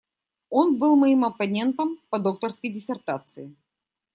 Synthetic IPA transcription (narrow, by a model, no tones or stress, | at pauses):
o̞nbɨlˠmɐjimɐpɐnʲe̞nt̪əmpɐd̪o̞k̚t̪ərskəjdʲɪsʲɪrt̪at̪sɨɪ